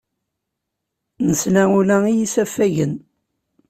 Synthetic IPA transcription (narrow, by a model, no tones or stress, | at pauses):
nəslæulæijisæfːæʝən